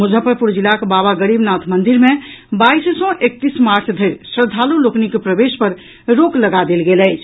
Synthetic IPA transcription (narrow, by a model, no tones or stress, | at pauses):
mud͡ʒʱəpəɾpuɾd͡ʒilakebabaɡəɾibnat̪ʰmənd̪iɾmebajssɔ̃ʔek̚t̪ismaɾt͡ʃʰd̪ʱəjɾsəd̪ʱaluloknikpɾəbespəɾ | ɾokləɡad̪elɡeləɪt͡ʃʰ